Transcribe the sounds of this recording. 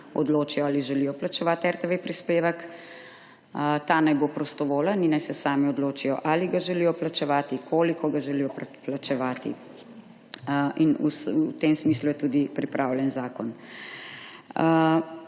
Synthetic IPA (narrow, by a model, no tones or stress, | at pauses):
ɔ̰d̪loːt͡ʃijɔaːliʒɛliːjɔplat͡ʃɛʋaːt̪ɛɾt̪eʋepɾispeːʋək | t̪aːnajbopɾɔst̪ɔʋoːlaninajsɛsaːmiɔd̪loːt͡ʃijɔ̰ʔaliɡaʒɛlijɔplat͡ʃɛʋaːt̪ikʰoːlikɔɡaʒɛliːjɔpplat͡ʃɛʋaːt̪ḭ | inṵsut̪emsmiːslujɛt̪uːd̪ipɾipɾʔawljɛnzaːkɔn